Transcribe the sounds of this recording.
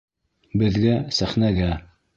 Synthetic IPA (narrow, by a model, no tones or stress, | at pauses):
bɘ̆ðɡæsæχnæɡæ